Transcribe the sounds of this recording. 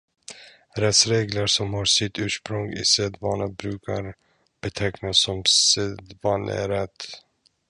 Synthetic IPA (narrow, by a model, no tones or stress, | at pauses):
ɾɛt̪sɾeːɡləɾʂɔmhɑːsɪt̪ʉ̟ːʂpɾɵŋɪ̰seːd̪vɑːnabɾʉ̟ːkʰa̰ɾ | b̥ɛt̪ʰɛknasːɔmsed̪vɑːnɛ̰ɾɛt̪ː